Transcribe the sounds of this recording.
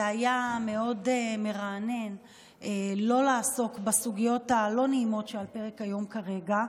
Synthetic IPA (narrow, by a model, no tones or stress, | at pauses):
zeajame̞o̞deme̞ʁaːne̞n | elo̞laːso̞kbasuɡijo̞talo̞neimo̞tʃealpeʁekhajo̞mkaʁe̞ɡa